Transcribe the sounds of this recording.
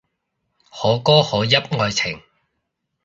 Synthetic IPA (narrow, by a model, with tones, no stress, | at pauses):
hɔː˨˧˥kɔː˥hɔː˨˧˥jɐ˥p̚ŋɔː˧jt͡sʰɪ˨˩ŋ